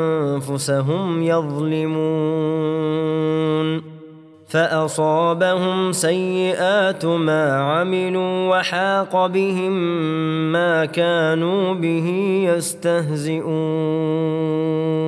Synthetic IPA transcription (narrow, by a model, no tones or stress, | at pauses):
anfʊsaɦʊmjɑðˤlɪmuː | n | faʔɑsˤɑːbahʊmsajːɪʔaːt̪maːʕamɪluːwaħɑːqɑbɪhɪmː | aːkaːnuːbɪɦijast̪aɦzɪʔuː